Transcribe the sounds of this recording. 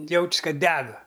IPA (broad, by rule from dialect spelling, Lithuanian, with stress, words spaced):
ˈjɛʊt͡ʃʲs ˈkɐt ˈdʲæːɡɐ